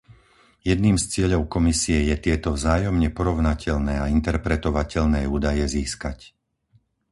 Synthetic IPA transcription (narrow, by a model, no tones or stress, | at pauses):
jɛd̪niːmst͡sɪɛʎɔʊkɔmisiɛjɛt̪ɪɛt̪ɔvzaːjɔmɲɛpɔɾɔʊnacʰɛʎnɛːaint̪ɛɾpɾɛt̪ɔʋacɛʎnɛːuːd̪ajɛziːskac